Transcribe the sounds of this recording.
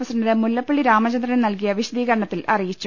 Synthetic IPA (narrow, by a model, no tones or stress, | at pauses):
ɐsɐnɐðemulːɐpːeɭːiɾaːmɐt͡ɕɐnd̪rɐnɐmnɐlk̬ijɐʋiɕɐd̪iːɣɐɾɐɳɐt̪ːilʔɐrijit͡ɕːu